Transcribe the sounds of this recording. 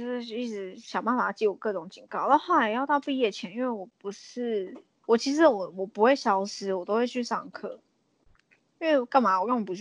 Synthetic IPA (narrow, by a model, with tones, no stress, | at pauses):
o˥˧ʂi˥˩ʈ͡ʂɻ̩˧˥˦ɕjɑ˨˩ʊma˥˩ma˨˩t͡ɕi˥˩wɔ˨˩kɤ˥˩ʈ͡ʂʊ˨˦ŋt͡ɕi˨˩ŋkɑ˥˩ʊt̪a˥˧xo˥˩la˧˥jjɑ˥˧ʊt̪ɑ˥˧ʊpi˥˧jɛ˥˩t͡ɕʰjɛ˧˥ni˥˧nwe˥˩wɔ˨˩pu˧˦ʂɻ̩˥˩ | wɔ˨˩t͡ɕʰi˧˥ʂ̬̩˧˥wɔ˨˩wɔ˨˩pu˧˥xwe˥˩ɪɕjɑ˧˥ʊsɻ̩˧˥wɔ˨˩t̪o˥ʊxwe˥˧ɪt͡ɕʰy˥˧sɑ̰˥˩ŋkʰɤ˥˩ | i˥nwe˥˩ɪ˨˩ka˥˩ma˨˥wɔ˨˩ɻɑ˥˩ŋwɔ˨˩pu˦˥